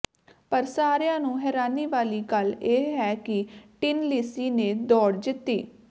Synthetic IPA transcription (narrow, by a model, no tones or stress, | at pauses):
pəɾsaːɾjãːnũːɦɛːɾaːniːʋaːliːkəleːɦɛːkɪʈɪnlisiːnẽːd̪ɔːɽd͡ʒɪt̪ːiː